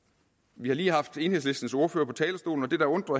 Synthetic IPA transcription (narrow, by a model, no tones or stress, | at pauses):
ʋihɑ̈liːɦɑ̈fd̥e̝ːnhe̝sle̝sd̥n̩so̝ɐføːɐpʰɒ̽t͡sʰɛːləsd̥o̝̰ːln̩ɒ̽d̥e̝d̥ɑ̈ɔ̽nd̥ʁɐ